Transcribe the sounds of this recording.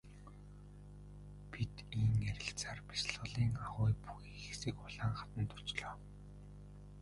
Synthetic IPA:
pit̪iːŋeɾʲɪ̆ɬt͡saːrpi̥sɮʁə̆ɮiːŋaʁʊːjpuxiːxesɘ̆ːkʊɮaːɴχat̪ə̆nt̪ʊ̥t͡ɕɮɔː

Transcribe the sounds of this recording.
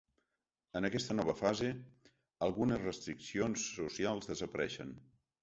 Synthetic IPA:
ənəkɛst̪ənɔβ̞əfaze | əlˠɣunəzrəst̪ɾiksionsːusialˠzðəzəpəɾɛʃə̰n

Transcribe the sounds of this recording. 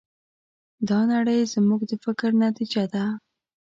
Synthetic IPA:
d̪ɑnaɽəjzmuɡd̪əfɪkɾnat̪id͡ʒad̪a

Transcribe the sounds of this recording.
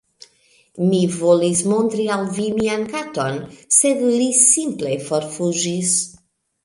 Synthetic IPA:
mivolismo̞ntɾiawvimiankato̞nse̞dlisimple̞fo̞ɾfuʒis

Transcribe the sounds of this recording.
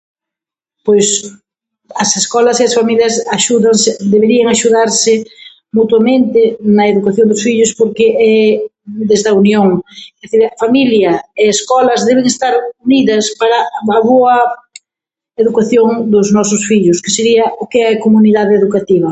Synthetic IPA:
pojs | ɐseskɔlɐseɐsfamiljɐsaʃuðɐŋsɪd̪eβeɾiɐŋaʃuðaɾsɪ | mut̪wamẽnt̪ɪnɐeðukaθjõnd̪ʊsfiʎʊspoɾkɪʔɛ | d̪ezðɐunjoŋeðeθiɾɐfamiljɐeeskɔlɐzðɛβ̞eŋest̪aɾuniðɐspaɾɐɐβoɐ | eðukaθjoŋd̪ʊznɔsʊsfiʎʊske̥seɾiɐʔʊkeɛɐkomuniðaðeeðukat̪iβ̞ɐ

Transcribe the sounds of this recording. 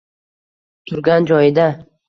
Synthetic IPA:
t̪ʰʊɾɡʲand͡ʒɒjɪd̪a

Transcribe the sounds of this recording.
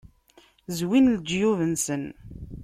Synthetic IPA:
zwinld͡ʒjuvənsən

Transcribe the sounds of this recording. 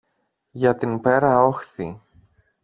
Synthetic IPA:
ʝɐt̪inpe̞ɾɐoxθi

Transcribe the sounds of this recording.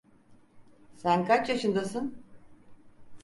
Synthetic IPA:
sænkʰat͡ʃjaʃɯnd̪asɯn

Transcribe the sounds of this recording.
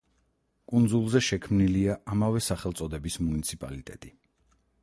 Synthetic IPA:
kʼund̪zulˠzɛʃɛkʰmniliaʔamavɛsaχɛlˠt̪sʼɔd̪ɛbismunit̪sʰipʼa̰lit̪ʼɛt̪ʼi

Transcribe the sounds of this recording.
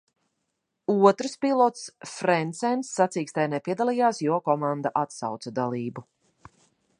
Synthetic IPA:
uɔt̪ɾspilˠɔt̪sfɾɛnt̪sɛnsːat̪siːkst̪ajnɛpʲiɛd̪alˠijaːsjuɔkɔmãnd̪aʔat̪sa̰wt̪sad̪alˠiːbu

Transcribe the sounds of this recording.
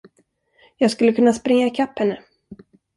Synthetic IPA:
jɑːɡskɵlːəkɵnːaspɾɪŋːaɪkʰapːhɛnːə

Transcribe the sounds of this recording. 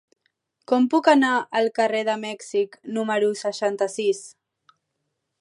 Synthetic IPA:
kɔmpukənaəlˠkəreðəmɛksiknuməɾusəʃant̪əsis

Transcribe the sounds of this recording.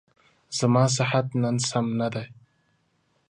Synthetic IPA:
z̥amɑːs̬ɪħat̪nansamnad̪aj

